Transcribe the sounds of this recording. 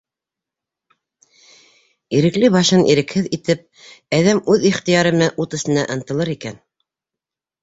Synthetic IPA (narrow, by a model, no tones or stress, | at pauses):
iɾɘ̆klɘβɑʃɤnʔḭɾɘ̆khɘðit̪ɘp̚ | æðæmʉðiχt̪ijɑɾɤ̆mɤʔut̪ɘ̆sɤ̆næʔɤ̆nt̪ɤ̆lˠɤɾikæn